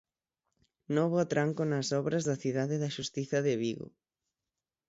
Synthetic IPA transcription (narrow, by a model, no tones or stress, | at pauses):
nɔβoat̪ɾaŋkʊnɐsɔβɾɐzðɐθiðaðɪðɐʃust̪iθɐðɪβiɣʊ̰